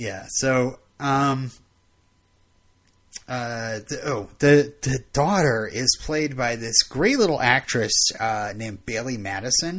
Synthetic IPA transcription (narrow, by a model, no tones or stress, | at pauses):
jæsoʊ | ʔʌ̃m | ʔʌðɨʔoʊðɨðɨdɔɾə˞ʔɪz̥pʰl̥eɪd̚baɪðɪsɡ̥ɹeɪtˡlɪɾl̩ˠæk̚t͡ʃɹ̥ɨsʌnẽɪ̃mbeɪlˠimæɾɨsɨ̃n